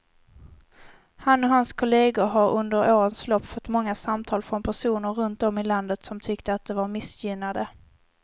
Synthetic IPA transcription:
hanːɔɦanskʰʊleːɡʊɦaɾɵnd̪əɾoːɾənslɔpːfɔt̪ːmɔŋːasamt̪ʰɑːlfɾɔnpʰæʂuːnəɾːɵnt̪̚d̪ɔmɪland̪ət̪sɔmt̪ʰʏkt̪əat̪̚d̪ɛvaɾmɪsjʏnad̪ə

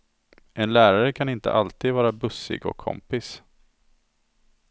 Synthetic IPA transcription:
ʔɛnlæːɾaɾəkʰanɪnt̪ə̰ʔalt̪ʰiːd̪vɑːɾabɵsːɪ̰ɡɔ̰kʰːɔ̰mpɪs

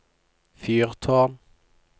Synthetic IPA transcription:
fyːʁt̪ʰɑːm

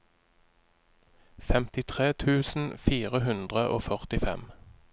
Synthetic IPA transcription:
fɛmt̪ɪt̪ʰʁeːt̪ʰʉːsn̩fiːʁəɦʉnd̪ʁəʔo̰ːfœʁt̪ɪfɛ̰m

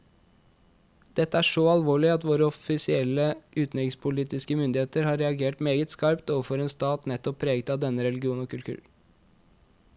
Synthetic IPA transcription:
d̪̥ɛt̪ːəæːʂɔɑlʋoːɭɪɑt̪ʋoːɾəɔfɪsɪɛlːəʔʉːt̪nɛkŋspʰʊliːt̪ɪskəmʏnd̪ɪheːt̪əɾhɑːɾɛɑɡeːʈmeːɡət̪skɑɾpt̪oːʋəfɔɾeːnst̪ɑːt̪nɛt̪ːɔpʰːɾeːɡət̪ɑːʋd̪ɛnːəɾɛlɪɡɪuːnɔkʉlkʰʉ̰ːɾ

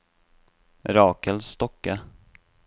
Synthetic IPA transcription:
ɾɑːkəlst̪ɔkːa

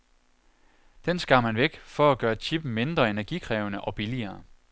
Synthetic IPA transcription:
d̥ensɡ̥ɑ̈mhænʋeɡ̥fɒ̽æɡ̥ɶːɐt͡ɕʰib̥m̩me̝nd̥ʁɐe̝næɐɡ̥ikʰʁɛːʊnəʔɒ̽b̥iliɐː

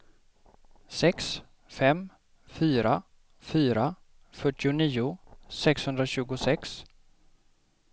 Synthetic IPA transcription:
sɛks | fɛm | fyːɾa | fyːɾa | fœʈːɪʊniːʊsɛkshɵnd̪ɾaɕʉ̟ːɡʊsɛks

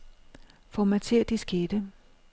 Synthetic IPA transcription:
fɒmæt͡sʰe̝ɐ̰d̥isɡ̥ed̥ə

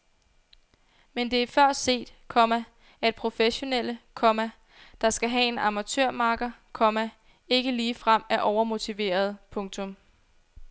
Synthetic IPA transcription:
mend̥e̝æɐfɶɐ̰̥se̝̰ːd̥kʰɒ̽mæ | æe̝̥pʰʁo̝feɕo̝nel̰əkʰɒ̽mæ | d̥ɑ̈sɡ̥æɦɛe̝nɑ̈mæt͡sʰøɐ̰mɑ̈ːɡ̥ɐkʰɒ̽mæ | e̝ɡ̥əliːfʁam̰æʔɒʊɐmo̝t͡sʰiʋe̝̰ːɐð̞̩ˠpʰɔ̽ŋt͡sʰɔ̽m

